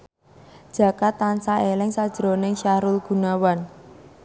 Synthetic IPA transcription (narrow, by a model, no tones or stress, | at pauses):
d̥ʒ̥a̤kat̪ːansaelɪŋsad̥ʒ̥ɾonɪŋʃahɾʊlɡ̥ṳnawan